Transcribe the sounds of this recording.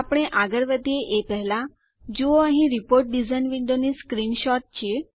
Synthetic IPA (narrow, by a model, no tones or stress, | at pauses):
apɳeʔaɡəɾʋəd̪jeʔepəɦla | d͡ʑooãɦĩɾipoɾʈ̚ɖid͡zajnʋiɳɖoniskɾiːnɕɔʈ̚t͡ɕi